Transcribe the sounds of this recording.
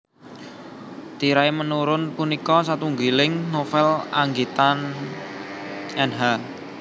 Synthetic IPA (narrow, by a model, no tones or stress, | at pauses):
t̪iɾaemənuɾʊnpunikɔsat̪uŋɡilɪŋnofɛlaŋɡet̪an | ɛnɦa